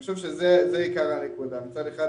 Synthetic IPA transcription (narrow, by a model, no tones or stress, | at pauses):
oʃuvʃezezeikaʁanekud̪amit͡sad̪eχa